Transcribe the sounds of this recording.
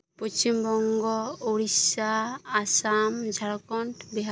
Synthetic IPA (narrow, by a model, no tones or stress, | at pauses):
pɔsimbɔŋɡɔoɹisaːsamd͡ʒʱaɹɔkɔntbiɦa